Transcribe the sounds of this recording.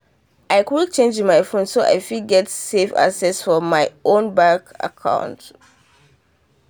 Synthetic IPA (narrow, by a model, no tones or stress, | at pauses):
ʔaɪkwik̚t͡ʃẽnd͡ʒ̃nmaɪfõnsoʔa̰ɪfilɡɛtsefa̰ksɛsfɔmaɪõnbaka̰kʰã̰ʊ̃nt